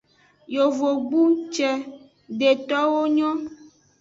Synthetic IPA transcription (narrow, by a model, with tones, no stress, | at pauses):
jo˨vo˨ɡ͡bu˦t͡ʃɛ˨ | ɖe˨t̪ɔ˦wo˦ɲɔ̃˦